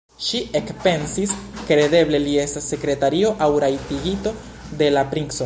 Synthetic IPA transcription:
ʃiekpe̞nsiskɾe̞de̞ble̞lie̞stasːe̞kɾe̞taɾio̞ʔawɾajtiɡito̞ | de̞lapɾiŋkso

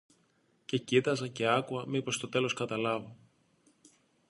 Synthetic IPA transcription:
ce̞cit̪ɐzɐce̞ɐkuɐmipo̞st̪o̞t̪e̞lo̞skɐt̪ɐlɐvo

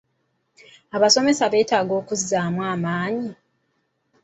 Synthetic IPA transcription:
aβaso̞me̞saβe̞ːtaːɡo̞ːkuzːaːmwaːmaːɲi

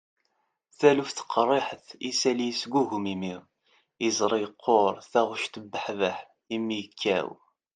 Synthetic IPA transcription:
θælufθə̥qʰːrˤːeħəθisælijsɡuɦumimiʁ | izˤɾˤiəqʰːoɾˤθæʁʊʃt̪əbːəħvəħ | imːijəkʰːæ̰w

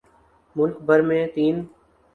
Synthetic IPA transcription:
mʊlkbʱəɾmẽːt̪iːn

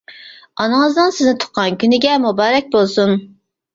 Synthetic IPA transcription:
ɑnɨŋəzd̪nɨnsɪznɪt̪ʰʊ̥qqʰːɑnkʲʰynɪɡʲɛmubɑːɾɛk̚ʲbolˠsun

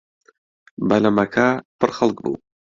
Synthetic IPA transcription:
bɐlɐmɐkʰaːpʰɨɾxɐlˠk̚bṵː

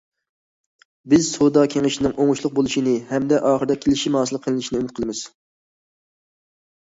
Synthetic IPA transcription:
bɪzsʰod̪ɑkʲʰeŋɪʃinɪŋʔoŋʊʃlˠʊq̚bolˠuʃinɪhɛmd̪ɛʔɑːχəɾd̪ɛkʲʰelɪʃimɑːsɨlˠəqʰəlˠɪnɪʃinɪymɪt̪̚qʰəlˠɨmɪz̥

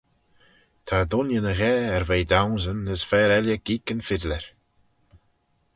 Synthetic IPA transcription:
t̪ʰad̪ʊnjənəɣɛːɛɾvejd̪awnzənːəsfɛːɾɛljəɡ̥iːkənfɪd̪lɛɹ

